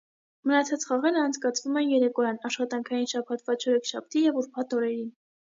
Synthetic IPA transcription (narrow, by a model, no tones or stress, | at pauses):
mənɑt͡sʰɑt͡sχɑʁɛɾəɑnt͡sʰkɑt͡sʰvumɛnjɛɾɛkɔjɑnɑʃχɑt̪ɑŋkʰɑjinʃɑpʰɑt̪vɑt͡ʃʰɔɾɛkʰʃɑp̚ʰt̪ijɛvuɾpʰɑt̪ɔɾɛɾin